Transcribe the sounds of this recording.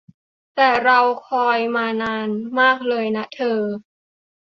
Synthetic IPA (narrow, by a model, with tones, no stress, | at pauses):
t̪ɛː˨˩ɾa˧wkʰɔː˧jmaː˧naː˧nmaː˥˩k̚lɤː˧jna˦˥t̪ʰɤː˧